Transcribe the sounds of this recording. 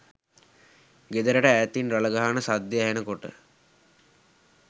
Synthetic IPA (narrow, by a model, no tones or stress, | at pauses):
ɡed̪əɾəʈəæjt̪inraləɡaɦanəsad̪jeæɦenəkoʈə̰